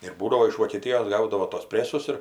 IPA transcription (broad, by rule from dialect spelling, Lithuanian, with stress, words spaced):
ɪr ˈbuːdɐʋoː ɪʃ ʋoːkʲɛˈtʲɪjoːs ˈɡɐʊdɐʋoː tuɔs ˈpʲrʲæːsʊs ɪr